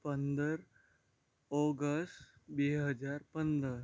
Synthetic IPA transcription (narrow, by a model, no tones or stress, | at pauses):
pənd̪əɾ | oɡəsʈbeɦəd͡zaɾpənd̪əɾ